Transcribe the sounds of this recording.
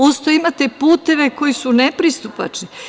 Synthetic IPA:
ost̪oimat̪epuːt̪e̞ʋe̞ko̞jisunepɾist̪upa̰t͡ʃni

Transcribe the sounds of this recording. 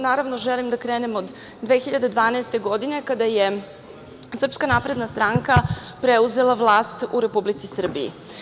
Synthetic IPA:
naːɾaʋnoʒelimd̪akɾeːnemod̪ | d̪ʋeːxiʎad̪e̞d̪ʋaːnaest̪e̞ɡo̞d̪ine̞kad̪aje | sr̩pskanapɾe̞d̪nast̪ɾaŋka | pɾeuze̞laʋlˠaːst̪uɾe̞publit̪sisr̩biḭ

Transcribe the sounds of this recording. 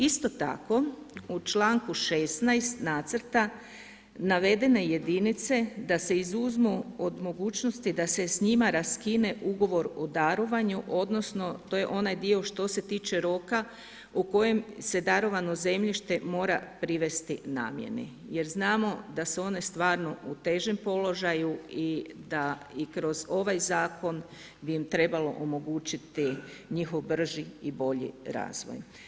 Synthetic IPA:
ist̪o̞t̪a̰ko̞ut͡ʃlaːŋkuʃesnajst̪naːt̪srt̪a | naʋe̞d̪e̞ne̞je̞d̪init̪se̞d̪ase̞izuzmuod̪mo̞ɡuːt͡ʃno̞st̪id̪ase̞sɲimaɾaskine̞ʔuɡo̞ʋo̞ɾod̪aɾo̞ʋaɲuʔo̞d̪no̞sno̞t̪o̞je̞ʔo̞najd̪io̞ʃt̪o̞se̞t̪iːt͡ʃe̞ɾo̞ka | uko̞jemse̞d̪aɾo̞ʋano̞ze̞mʎiʃt̪e̞mo̞ːɾapɾiʋe̞st̪ina̰ːmje̞̰nḛ | je̞ɾznaːmo̞d̪aseo̞ne̞st̪ʋaːɾno̞ut̪e̞ʒempo̞lo̞ʒajuid̪aikɾo̞zo̞ʋajzaːko̞n | biimt̪ɾe̞balo̞̰ʔomo̞ɡuːt͡ʃit̪iɲixo̞ʋbr̩ʒiibo̞ʎḭɾa̰ːzʋo̰j

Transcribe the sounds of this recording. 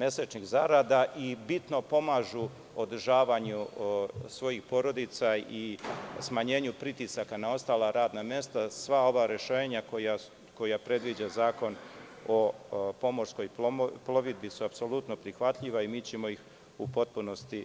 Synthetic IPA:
me̞set͡ʃɲiɣzaɾad̪aʔibit̪no̞po̞maːʒu | o̞d̪r̩ʒaːʋaɲu | sʋo̞jixpo̞ɾo̞d̪it̪saismaɲe̞ːɲupɾit̪isakanao̞st̪aːlaɾaːd̪namje̞st̪asʋao̞ʋaɾe̞ʃeːɲakoja | ko̞japɾe̞d̪ʋid͡ʑazaːko̞no̞po̞mo̞ɾsko̞jplo̞ʋid̪bisuapso̞lut̪no̞pɾixʋat̪ʎiʋaimiːt͡ɕe̞mo̞jix | upo̞t̪̚puno̞st̪i

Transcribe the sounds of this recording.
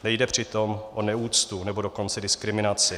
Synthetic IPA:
nɛjdɛpr̝̥ɪt̪omʔonɛuːt͡st̪unɛbo̞do̞ko̞nt͡sɛdɪskɾɪmɪnat͡sɪ

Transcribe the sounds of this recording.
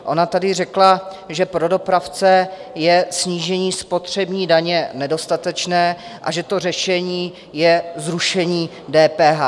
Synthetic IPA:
ʔo̞nat̪adɪrɛkla | ʒɛpɾo̞do̞pɾaft͡sɛ | jɛsɲiːʒɛɲiːspo̞t̪r̝̥ɛbɲiːdaɲɛnɛdo̞st̪at̪ɛt͡ʃnɛːʔa̰ʒɛt̪o̞r̝ɛʃɛɲiː | jɛzɾuʃɛɲiː | dɛːpɛːɦa

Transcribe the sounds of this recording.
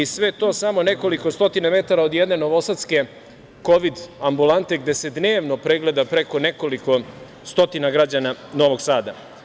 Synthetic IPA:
isʋe̞t̪o̞ːsamo̞ne̞ko̞liko̞st̪o̞t̪iname̞t̪aɾaod̪jed̪ne̞no̞ʋo̞sat̪ske̞ | ko̞ʋid̪ambulˠant̪e̞ɡd̪e̞se̞d̪ne̞ːʋno̞pɾeɡle̞d̪apɾe̞ko̞ne̞ko̞liko̞ | st̪o̞t̪inaɡɾad͡ʑanano̞ːʋo̞ɡsaːd̪a

